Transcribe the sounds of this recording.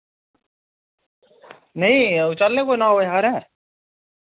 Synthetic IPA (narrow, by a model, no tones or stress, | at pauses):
nəɦĩʊt͡ʃalːekonaɦoɦaɾɛ̃ː